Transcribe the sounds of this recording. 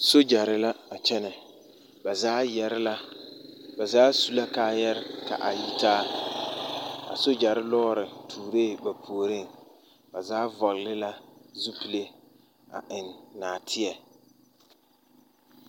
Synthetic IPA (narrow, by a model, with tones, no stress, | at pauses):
so˦d͡ʒa˨ɾɪ˦la˦a˨t͡ʃɛ˦nɛ˨ | ba˨zaː˦jɛ˦ɾɪ˦la˦ | ba˨zaː˦su˦la˦kaː˦jɛ˦ɾɪ˦ka̰˨ʔa̰˨ji˦taː˦ | a̰˨so˦d͡ʒa˨ɾɪ˦lɔː˦ɾɪ˨tʰuː˨ɾeː˦˨ba˨pʰu˨o˨ɾi˦˨ | ba˨zaː˦vɔ˨ɣlɪ˦la˦zu˦pi˨le˦ | a̰˨ʔɪ˨nːaː˨tʰɪ˦ɛ˨